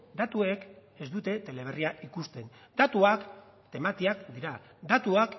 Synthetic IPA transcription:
d̪at̪ue̞ke̞zd̪ut̪e̞t̪e̞le̞β̞eriaʔikust̪e̞n | d̪at̪uak | t̪e̞mat̪iakd̪iɾa | d̪at̪uak

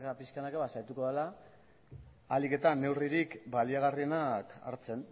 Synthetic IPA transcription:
kapiskaenakeβasajt̪uko̞ðela | like̞t̪ane̞wriɾikbaliaɣ̞arie̞naka̰ɾt͡se̞n

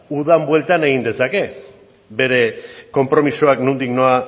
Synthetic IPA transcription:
uð̞ambwe̞lt̪ane̞ɣind̪e̞sake̞ | be̞ɾe̞ko̞mpɾo̞misoaknund̪ikno̞a

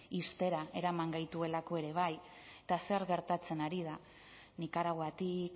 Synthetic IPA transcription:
ist̪e̞ɾae̞ɾamaŋɡajt̪ue̞lako̞e̞ɾe̞β̞aj | et̪aseɾɣe̞ɾt̪at͡se̞naɾiða | nikaɾaɣwat̪ik

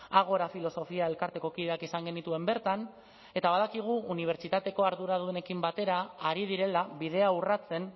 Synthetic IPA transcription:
aɣ̞o̞ɾafilo̞so̞fiae̞lkaɾt̪e̞ko̞kiðe̞akisaŋɡe̞nit̪ue̞mbe̞ɾt̪an | e̞t̪aβ̞aðakiɣ̞uːniβ̞e̞ɾt͡ʃit̪at̪e̞ko̞aɾðuɾað̞ue̞ne̞kimbat̪e̞ɾaːɾið̞iɾe̞laβið̞e̞aurat͡se̞n

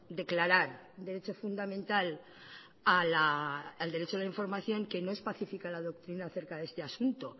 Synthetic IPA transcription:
d̪e̞klaɾaɾd̪e̞ɾe̞t͡ʃo̞fund̪amẽnt̪al | alaːld̪e̞ɾe̞t͡ʃoelaiɱfo̞ɾmaθjo̞ŋke̞no̞e̞spaθifikalaðo̞k̚t̪ɾinaːθe̞ɾkaðe̞st̪e̞asunt̪o̞

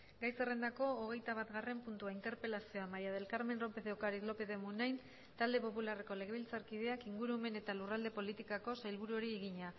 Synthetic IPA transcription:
ɡajse̞re̞nd̪ako̞ːɣ̞e̞jt̪aβ̞at̪ɣare̞mpunt̪uaint̪e̞ɾpe̞lasio̞amajaðe̞lkaɾme̞nro̞pe̞ðewkaɾit̪lo̞pe̞ðemunajn | t̪ald̪e̞po̞pulareko̞le̞ɣe̞βilt͡saɾkið̞e̞akiŋɡuɾume̞ne̞t̪alurald̪e̞po̞lit̪ikako̞sajlβ̞uɾuo̞ɾieɣiɲa

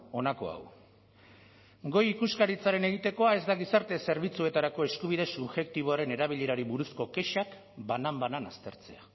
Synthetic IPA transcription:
o̞nako̞a̰w | ɡo̞jikuskaɾit͡saɾe̞ne̞ɣ̞it̪e̞ko̞ae̞zd̪aɣisaɾt̪e̞se̞ɾβ̞it͡sue̞t̪aɾako̞e̞skuβ̞iðe̞suβʝe̞k̚t̪iβ̞o̞aɾe̞ne̞ɾaβ̞iʎe̞ɾaɾiβuɾusko̞ke̞ʃak | banambananast̪e̞ɾt͡se̞a

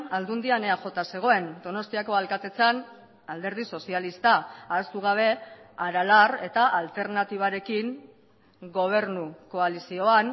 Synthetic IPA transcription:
ald̪und̪iane̞aʝo̞t̪ase̞ɣ̞o̞e̞nd̪o̞no̞st̪iako̞alkat̪e̞t͡san | ald̪e̞ɾð̞iso̞sialist̪aaest̪uɣ̞aβ̞e̞aɾalare̞t̪aʔalt̪e̞ɾnat̪iβ̞aɾe̞kiŋ | ɡo̞β̞e̞ɾnuko̞alisio̞an

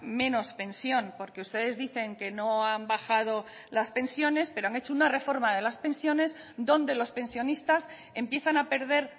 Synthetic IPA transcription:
mẽ̞no̞spẽ̞nsjo̞npo̞ɾke̞ust̪e̞ðe̞zðiθe̞ŋke̞no̞ambaxað̞o̞ | laspẽ̞nsjo̞ne̞spe̞ɾoaŋe̞t͡ʃounare̞fo̞ɾmaðe̞laspe̞nsjo̞ne̞s | d̪o̞nd̪e̞lo̞spẽ̞nsjo̞nist̪as | e̞mpje̞θanape̞ɾðe̞ɾ

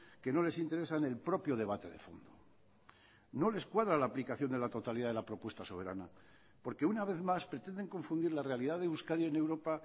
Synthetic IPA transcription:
ke̞no̞le̞sint̪e̞ɾe̞sanelpɾo̞pjoð̞e̞β̞at̪e̞̰ðe̞fo̰nd̪o | no̞le̞skwaðɾalaːplikaθjo̞nd̪e̞lat̪o̞t̪aliðaðelapɾo̞pwe̞st̪aso̞β̞e̞ɾa̰na | po̞ɾke̞unaβ̞e̞θmaspɾe̞t̪e̞nd̪e̞ŋko̞ɱfund̪iɾlare̞aliðaðeuskaɾjoene̞wɾo̞pa

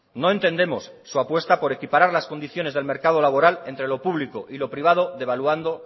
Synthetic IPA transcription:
no̞e̞nt̪e̞nd̪e̞mo̞sːuapwe̞st̪apo̞ɾe̞kipaɾaɾlaskond̪iθjo̞ne̞zðe̞lme̞ɾkað̞o̞laβ̞o̞ɾale̞nt̪ɾe̞lo̞puβliko̞ʔilo̞pɾiβ̞að̞o̞ðe̞βaluand̪o̞

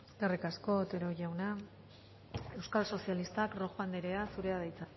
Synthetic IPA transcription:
eskerikasko̞t̪eɾo̞ʝawna | e̞wskalso̞sialist̪akro̞xand̪eɾeasuɾe̞aðajt͡sa

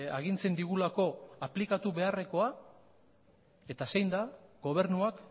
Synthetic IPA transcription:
aɣint͡se̞nd̪iɣ̞ulako̞aplikat̪uβe̞are̞ko̞a | e̞t̪asejnd̪aɡ̥o̞β̞e̞ɾnuak

